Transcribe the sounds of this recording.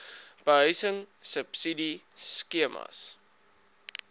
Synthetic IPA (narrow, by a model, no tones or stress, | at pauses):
b̥əɦəɥsəŋ | səpsidiskiəmɐ̰s